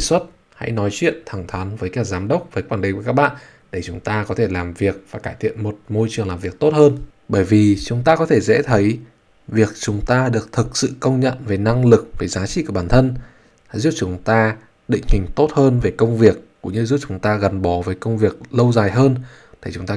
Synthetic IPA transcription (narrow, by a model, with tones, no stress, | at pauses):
i˨˩swə˦˥t̚ | ha̰˧˥jnɔ˨˦jt͡ɕwḭ˧˨ənt̪ʰa˨˧˩ŋt̪ʰaː˨˦nvəː˨˦jkaː˧˩zaː˨˦mɗə˦˥wk͡p̚vəː˨˦jkwaː˧˩ni˨ŋkkːa˦˥k̚ɓa̰ː˧˨n | ɗe˧˩t͡ɕʊ˨˦ŋ͡mt̪aː˧kɔ˨˦t̪ʰe˧˩laː˨˩mvi˨˩ək̚vaː˨˩kaː˧˩jt̪ʰḭ˧˨ənmo˨˩t̚mo˧jt͡ɕɨ˨˩əŋlaː˨˩mvi˨˩ək̚t̪o˦˥t̚həː˧nɓəː˧˩jvi˨˩t͡ɕʊ˨˦ŋ͡mt̪aː˧kɔ˨˦t̪ʰe˧˩zɛ̰˧˥t̪ʰə˨˦j | vi˨˩ək̚t͡ɕʊ˨˦ŋ͡mt̪aː˧ɗɨ˨˩ək̚t̪ʰɨ˨˩k̚sɨ̰˧˨kə˧wŋ͡mɲə̰˧˨nve˨˩na˧ŋlɨ˨˩k̚veː˨˩zaː˨˦t͡ɕḭ˧˨kɓaː˧˩nt̪ʰə˧n˧˥ | jzu˦˥t̚t͡ɕʊ˨˦ŋ͡mt̪aː˧ | ɗḭ̈˧˨ŋ̟hï˨˩ŋ̟t̪o˦˥t̚həː˧nve˨˩kə˧wŋ͡mvi˨˩ək̚ːṵ˧˥ŋ͡mɲɨ˧zu˦˥t̚t͡ɕʊ˨˦ŋ͡mt̪aː˧ɣə˨˩nɓɔ˨˦vəː˨˦jkə˧wŋ͡mvi˨˩ək̚lə˧wzaː˨˩jɦəː˧n | t̪ʰe˧˩t͡ɕʊ˨˦ŋ͡mt̪aː˧